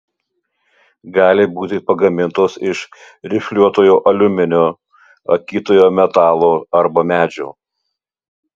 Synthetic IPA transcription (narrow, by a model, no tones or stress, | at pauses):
ɡɑːlʲɪbuːt̪ʲɪpɐɡɐmʲɪnt̪oːsɪʃ | ɾʲɪfʲlʲuɔt̪oːjoːʔɐlʲʊmʲɪnʲoː | ɐ̰kʲiːt̪oːjoːmʲɛt̪ɑːlˠoːɐɾbɐmʲæːd͡ʒʲo̰ː